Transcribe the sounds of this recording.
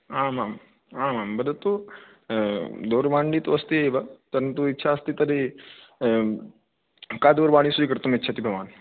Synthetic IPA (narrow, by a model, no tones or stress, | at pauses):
amaːm | aːmaːmbəd̪ʱɐt̪u | d̪ʱoːɾʋãːɳɖiːt̪oɐst̪iebat̪ɐɾənt̪uitːʃʰaːst̪it̪ɐɾe | kaːd̪oɾbaːɽ̃isuikɐɾt̪umetːʃʰat̪ibʱɐʋaːn